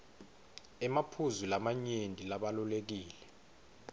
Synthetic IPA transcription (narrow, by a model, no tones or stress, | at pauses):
ɛmapʰuzulamaɲendʱilaɓalulek̬iːlɛ